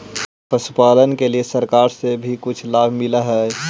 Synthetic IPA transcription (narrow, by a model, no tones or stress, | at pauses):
pɐsʊ̥paːlənkeliesəɾkaːɾsebʱikʊt͡ʃʰlaːbʱmɪlaɦɛː